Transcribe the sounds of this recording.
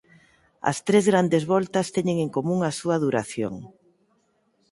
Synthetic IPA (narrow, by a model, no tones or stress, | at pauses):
ɐ̰st̪ɾezɣɾand̪ezβɔlt̪ɐst̪ɛɲeŋeŋkomũŋasuɐðuɾaθjo̰ŋ